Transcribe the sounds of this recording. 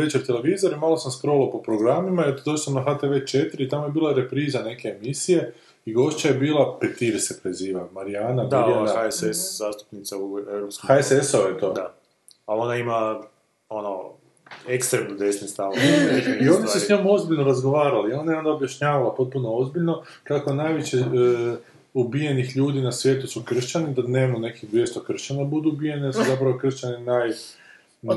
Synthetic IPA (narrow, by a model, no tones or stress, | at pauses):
e̞t͡ʃeɾt̪e̞le̞ʋiːzoɾimaːlˠo̞samspɾo̞ʋilˠopo̞pɾoɡɾamimaeɾt̪d̪oʃlsamnaxat̪eʋe̞t͡ʃe̞t̪iɾit̪amoje̞biːlˠajeɾe̞pɾiːzane̞ke̞ːmisije̞ | iɡo̞ʃt͡ɕajebiːlˠape̞t̪iɾsepɾeziːʋamaɾijaːnad̪aoanaaeseszaːst̪u̥pnit̪saueɾopskoxaesesoojet̪oːd̪a | alonaima | ono | ekst̪ɾemnod̪esnist̪aʋoio̞nisesɲomo̞zbiʎnoɾazɡo̞ʋaːɾalio̞naeond̪aobjaʃɲaːʋalapo̞t̪̚punoozbiʎno̞ | kakonajʋit͡ɕe | ubije̞nixʎuːd̪inasʋje̞ːt̪usukr̩ʃt͡ɕanid̪ane̞mune̞kiɣd̪ʋje̞st̪okr̩ʃt͡ɕanabud̪uubije̞nsuzapɾaʋo̞kr̩ʃt͡ɕaninaj